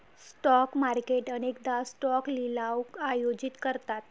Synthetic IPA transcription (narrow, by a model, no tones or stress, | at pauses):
sʈɔkmaɾkeʈəɽ̃ek̚d̪asʈɔklilawkajod͡ʑit̪kəɾt̪at̪